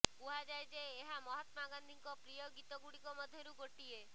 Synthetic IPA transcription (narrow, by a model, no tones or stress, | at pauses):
uɦad͡ʒajd͡ʒeːɦamɔɦɔt̪maɡand̪ʱiŋkɔpɾijɔɡit̪ɔɡuɽikɔmɔd̪ʱjɔɾuɡoʈie